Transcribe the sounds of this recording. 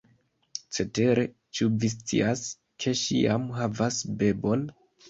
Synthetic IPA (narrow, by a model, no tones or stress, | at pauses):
t͡se̞te̞ɾe̞ | t͡ʃuvis̬t͡sḭas | kʰe̞ʃḭamɦavasbe̞bo̞n